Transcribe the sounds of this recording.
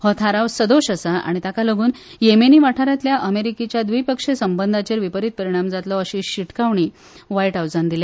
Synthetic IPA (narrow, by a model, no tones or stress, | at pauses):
hɔt̪ʰaɾaʋsəd̪oɕəsaa̰ɽ̃it̪akaləɡuːn | jemeniːʋaʈʰaɾjat̪ljaʔəmeɾikit͡ɕjad̪ʋijpəkʂesəmbənd̪ʱat͡ɕeɾʋipəɾit̪̚pəɾiɽ̃amd͡zat̪lɔəɕiːɕiʈkaʋɳiː | ʋaiʈɦawd͡zand̪ilja